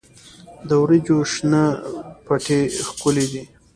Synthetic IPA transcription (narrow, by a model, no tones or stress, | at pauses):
d̪əwɾid͡ʒoʃnapaʈʰexkʊled̪i